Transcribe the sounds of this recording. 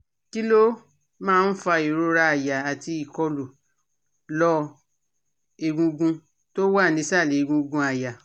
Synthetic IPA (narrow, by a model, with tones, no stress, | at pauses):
ki˦lo˦ | mãː˦˧n̩˦fa˧i˨ɾo˧ɾa˧a˨ja˨a˨ti˧i˨kɔ˧lu˨ | lɔ˧˦ | e˨ɡũ˧ɡũ˧ | to˦wa˦˨nĩ˧˦sa˦˨le˨i˨ɡũ˧ɡũ˧a˨ja˨